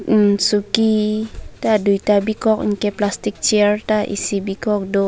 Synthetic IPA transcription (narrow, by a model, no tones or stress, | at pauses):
sukit̪aduit̪abikɔk̚ŋ̩kɛplast̪ik̚t͡ʃirt̪aʔḭsibikɔk̚do